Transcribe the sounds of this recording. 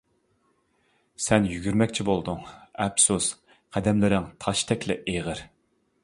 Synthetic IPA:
sɛnjyɡʲyɾmɛkʲt͡ʃʰibolˠd̪uŋɛpsus | qʰæd̪ɛmlɪɾɪŋt̪ʰɑʃt̪ʰɛkʲlɪʔeʁəɾ

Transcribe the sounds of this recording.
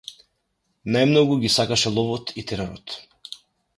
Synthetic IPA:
najmnɔɡuɡʲisakaʃɛlˠɔvɔt̪ʰit̪ɛɾɛɾɔt̪

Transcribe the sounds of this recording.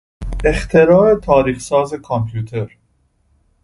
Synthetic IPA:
ext̪ʰe̞ɾɒːɾet̪ʰɒːɾiːxsɒːze̞kʰompʰjuːt̪ʰeɾ

